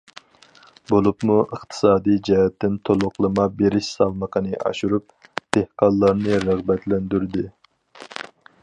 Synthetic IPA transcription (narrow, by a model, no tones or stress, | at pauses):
bolˠupmuʔəχt̪ʰɨ̥sɑːd̪ijd͡ʒɛɦɛt̪ːɪnt̪ʰolˠʊqlˠɨmɑbeɾɪʃsɑlməqʰənɨʔɑ̰ʃuɾup̚ | d̪̥ehqɑllˠːɑɾnɨɾəʁbɛt̪lɛnd̪yɾd̪ɪ